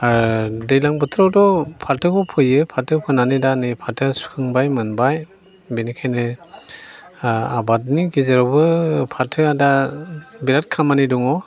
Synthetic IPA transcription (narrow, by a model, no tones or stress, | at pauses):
aɾdɯjlaŋbɯtʰɾawdɔpʰatʰɯkʰɔpʰɯjɯpʰatʰɯpʰɯnanɯdanɯpʰatʰɯsu̥kʰɯŋbajmɯnbaj | benikʰajnɯ | abat̚niɡizeɾawbɯpʰatʰɯada | biɾat̚kʰamanidɔŋɔ